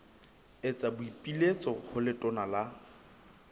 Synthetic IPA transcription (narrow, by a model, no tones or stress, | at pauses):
et͡sʼabʊipʼilet͡sʼɔhʊlɪtʼɔnala